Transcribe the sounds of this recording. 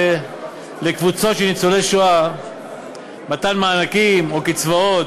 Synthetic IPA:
lekvut͡so̞tʃenit͡soleʃoa | mat̪anmaːnakimo̞kit͡svaot

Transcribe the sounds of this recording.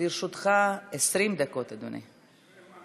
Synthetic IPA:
iɾʃut̪χaesʁimd̪ako̞t̪ad̪ṵnʔḭ

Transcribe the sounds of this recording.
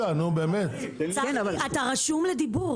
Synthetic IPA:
anobeːmet̪kenavalat̪aʁaʃumled̪ibuʁ

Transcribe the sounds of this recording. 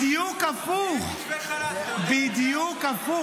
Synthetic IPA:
iokafu | vid̪iokafu

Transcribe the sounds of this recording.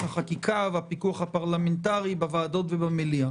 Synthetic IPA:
haχakikʰavapikuaχhapaʁlamentaʁibavaːdo̞tvebamilia

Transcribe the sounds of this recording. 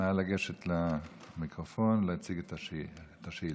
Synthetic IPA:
aalaɡeʃet̪la | mikʁofonleat͡siɡet̪aet̪aʃi

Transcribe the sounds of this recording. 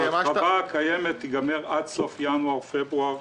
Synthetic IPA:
aakajemet̪iɡameʁad̪sofjanwafebʁuaʁ

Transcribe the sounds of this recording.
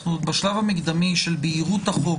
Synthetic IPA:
nubaʃlavamiɡd̪amiʃelbeːʁut̪aχo

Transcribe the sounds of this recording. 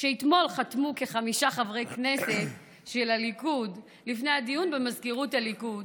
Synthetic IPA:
ʃeit̪mo̞lχatmuke̞χamiʃaχavʁejkne̞se̞t | ʃelalikud | lifne̞jadijunbemazkiʁutalikud

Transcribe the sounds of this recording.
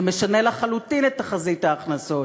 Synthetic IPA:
me̞ʃanelaχalut̪inet̪ːaχazit̪aːχnaso̞

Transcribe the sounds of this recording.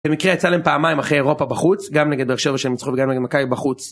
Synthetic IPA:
b̥emikʁejat͡salaempaːmaimaχʁejeʁo̞pabaχut͡sɡamneɡed̪̚eʃevaʃemit͡sχuveɡamneɡed̪makavibaχut͡s

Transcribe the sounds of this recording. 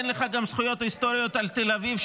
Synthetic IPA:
enleχaɡamsχujo̞t̪hist̪o̞ɾijo̞t̪alt̪elavivʃ

